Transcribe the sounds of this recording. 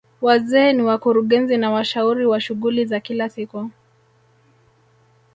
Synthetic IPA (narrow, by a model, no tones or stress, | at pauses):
wazɛːniwakuɾuɠɛnzinawaʃauɾiwaʃuɠulizakilasiku